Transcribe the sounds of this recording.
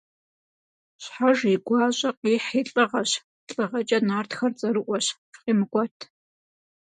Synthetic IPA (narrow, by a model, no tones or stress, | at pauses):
ɕħaʒiɡʷɑːɕʼɐqʼiːħiːɬʼɨʁɐɕ | ɬʼɨʁɐt͡ʃʼɐnaːrtxɐrt͡sʼɐɾɨʔʷɔɕ | qʼiːmɨɡʷʼɔtʰ